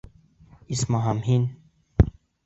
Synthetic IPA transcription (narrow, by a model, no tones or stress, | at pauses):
ismaɦamhin